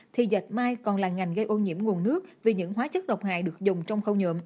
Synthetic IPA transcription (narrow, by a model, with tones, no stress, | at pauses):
t̪ʰi˨˩zə˨˩t̚maː˧jkɔ˨˩nlaː˨˩ŋa˨˩jŋ̟ɣə˧jʔo˧nɲḭ˧˥əmŋu˨˩ənːɨ˦˥ək̚vi˨˩ɲɨ̰˧˥ŋɦwaː˨˦t͡ɕə˦˥t̚ɗə˨˩wk͡p̚ha̰ː˧˨jɗɨ˨˩ək̚zʊ˨˩ŋ͡mt͡ɕɔ˧wŋ͡mxə˧wɲɨ̰˧˨əm